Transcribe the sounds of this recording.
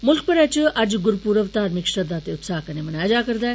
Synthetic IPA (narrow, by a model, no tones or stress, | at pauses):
mʊlkʰpɐɾat͡ɕɐd͡ʑɡʊɾpuːɾəʋt̪aːɾmɪkʃɐd̪aːt̪eʊt̪saːɦkɐnemɐnaːjd͡ʒaːkəɾd̪aː